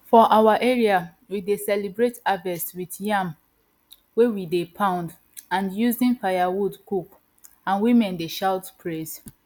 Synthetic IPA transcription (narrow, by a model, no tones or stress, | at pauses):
fɔʔawaʔɛɹia | widesɛlibɹetavɛswitjãm | wewidepʰãʊ̃nd | ãnjuzĩnfajawudkuk | ãnwimɛ̃ndeʃaʊtpʰɹes